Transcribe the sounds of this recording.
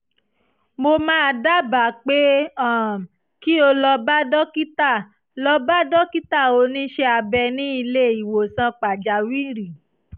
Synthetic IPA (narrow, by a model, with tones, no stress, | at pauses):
mo˧mãː˦a˧da˦ba˨k͡pe˦ã˦˨ | ki˦o˧lɔ˧ba˦dɔ˦ki˦ta˦˨ | lɔ˧ba˦dɔ˦ki˦ta˦˨o˨˧˦nĩ˦ʃe˧a˧bɛ˧nĩ˦i˧le˦i˨wo˨sã˧k͡pa˨d͡ʒa˨wi˦ɾi˨